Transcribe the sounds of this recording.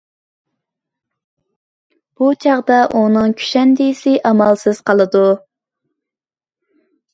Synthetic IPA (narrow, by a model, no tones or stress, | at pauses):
b̥ut͡ʃʰɑʁd̪ɑʔunɨŋkʲʰy̥ʃɛnd̪ɪsɪʔɑmɑlˠsɨz̥qʰɑlˠɨd̪u